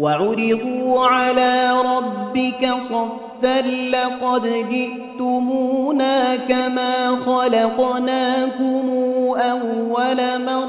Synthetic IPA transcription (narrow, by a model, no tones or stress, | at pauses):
waʕʊɾɪbuːʕalaːɾˤɑbːɪkasˤɑfːalːɑqɑd̪d͡ʒɪʔ | t̪ʊmuːnaːkamaːxɑlɑqnaːkʊmuːʔawːalamɑˤ